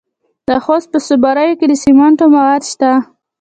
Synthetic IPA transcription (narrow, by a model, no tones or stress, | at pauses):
d̪əxost̪̚pəsʊbɑɾajoked̪əsimaɳʈomawad̪ʃt̪a